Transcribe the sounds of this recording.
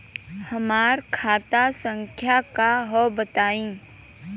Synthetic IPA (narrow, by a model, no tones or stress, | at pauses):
həmaːɾkʰaːt̪asə̃ŋkʰjakaɦobət̪aːĩ